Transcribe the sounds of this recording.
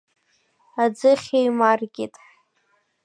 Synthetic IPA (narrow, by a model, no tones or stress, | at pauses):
ad͡zɨχʲejmarɡʲɪtʼ